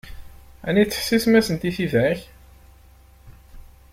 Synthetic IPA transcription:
æ̰nit͡sːə̥ħsismæsənt̪iθivæç

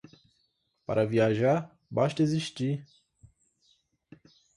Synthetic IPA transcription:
pa̰ɾʔɐviaʒa | baʃt̪ɐeziʃt͡ʃi

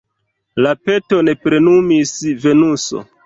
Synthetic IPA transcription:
lape̞to̞ne̞pɾe̞numisve̞nuso̞̰

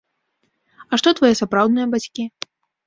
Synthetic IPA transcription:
ɐʂt̪ɔt̪vajɛsapɾawd̪nɨjɐbat͡sʲkʲi

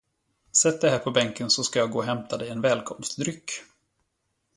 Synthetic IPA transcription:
sɛt̪̚d̪ɛɦæːɾpʰɔbɛŋkənsɔskajɑːɡoːɦɛmt̪ʰad̪ɛjɛnvɛːlkʰɔmst̪d̪ɾʏkː

